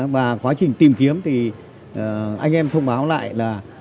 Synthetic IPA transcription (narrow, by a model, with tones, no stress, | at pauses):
vaː˨˩kwaː˨˦t͡ɕï˨˩ŋ̟t̪i˨˩mki˨˦əmt̪ʰi˨˩˨ | ʔa˧jŋ̟ʔɛ˧mt̪ʰə˧wŋ͡mɓaː˨˦wla̰ː˧˨jlaː˨˩